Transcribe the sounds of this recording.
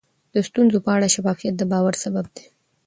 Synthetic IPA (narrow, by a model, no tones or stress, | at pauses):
d̪̥əst̪unzopəaɽaʃafɑfijat̪̚d̪əbɑwaɾsabab̚d̪e̥